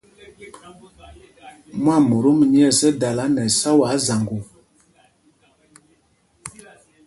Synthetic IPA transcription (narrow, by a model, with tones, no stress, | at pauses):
mwa˦˨mu˨ɾo˦m˨ɲi˦ɛ˦˨sə˦da˨la˨˦nɛ˨sa˦wa˨˦za˨ŋɡu˨